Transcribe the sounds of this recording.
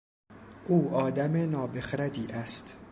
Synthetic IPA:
ʔuːɒːd̪æmenɒːbexɾæd̪iːʔæst̪

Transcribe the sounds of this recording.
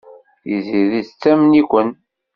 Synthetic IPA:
iziðiθt͡sːæmnikʷən

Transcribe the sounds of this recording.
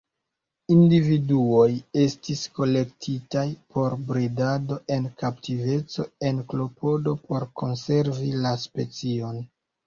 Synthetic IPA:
individuoje̞stisko̞le̞k̚tʰitajpʰo̞ɾbɾidado̞ʔe̞nkap̚tive̞t͡so̞e̞nklo̞po̞do̞po̞ɾkonse̞ɾvilaspe̞t͡sio̞n

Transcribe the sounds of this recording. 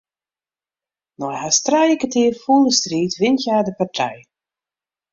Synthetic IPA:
nɔjhastrajɪkətɪːrfuːlˠdəstriːtʋɪntjaːdəpartʰɛ̰j

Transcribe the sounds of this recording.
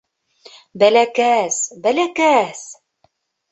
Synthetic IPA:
bælækæsbælækæs

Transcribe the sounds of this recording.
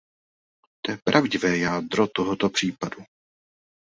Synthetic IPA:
t̪oɛpɾʔavɟɪvɛːjaːd̪ɾot̪oɦot̪opr̝̥iːpadu

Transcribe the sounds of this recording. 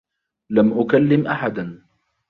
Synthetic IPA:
lamʔʊkalːɪmʔaħad̪a

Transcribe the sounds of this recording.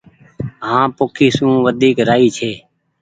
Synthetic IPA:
ɦãːpoːkʰiːsũːʋəd̪ʱiːkɾaːiːt͡ʃʰeː

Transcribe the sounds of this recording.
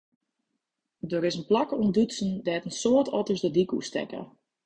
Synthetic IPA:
dəɾɪsənplakəundysn̩dɛtənsoətʰɔtəsdədikṵstɛ̰kə̰

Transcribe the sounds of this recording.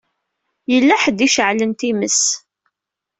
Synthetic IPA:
jəlːæħəd̪iʃəʕlənt̪iməs

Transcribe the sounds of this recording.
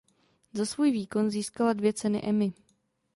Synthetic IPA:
zasvuːjviːko̞nziːskaladvjɛt͡sɛnɪ̰ʔɛmɪ

